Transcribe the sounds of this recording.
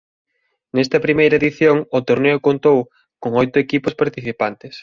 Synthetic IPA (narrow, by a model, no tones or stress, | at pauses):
nɛst̪ɐpɾimejɾɐeðiθjoŋʊt̪oɾneʊkont̪ow | koŋojt̪ʊekipʊspaɾt̪iθipant̪ɪs